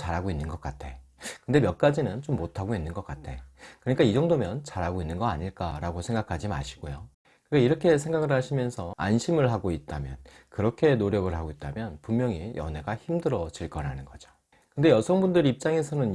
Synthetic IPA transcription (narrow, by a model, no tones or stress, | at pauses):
t͡ɕaɾɦaɡoinːɯnɡʌk͈atʰe̞kɯndemjʌk̚k͈ad͡ʑinɯnt͡ɕomːotʰaɡoinːɯnɡʌk͈atʰe̞̰kɯɾʌɲik͈aid͡ʑʌŋdomjʌnt͡ɕaɾɦaɡoinːɯnɡʌa̰ɲiɭk͈a̰ɾaɡosʰe̞ŋɡakʰad͡ʑima̰ɕʰi̥ɡ̥ojo | kɯk͈aiɾʌkʰe̞s̬ʰe̞ŋɡaɡɯɭɦaɕʰimjʌnsʰʌa̰nɕʰimɯɭɦaɡoit̚t͈amjʌn | kɯɾʌkʰe̞noɾjʌɡɯɭɦaɡoit̚t͈amjʌnpummjʌŋijʔʌ̰ne̞ɡaçimdɯɾʌd͡ʑiɭk͈ʌɾanɯnɡʌd͡ʑo̥ | kɯnde̞jʌsʰʌŋbundɯɾip̚t͡ɕ͈aŋe̞sʰʌnɯn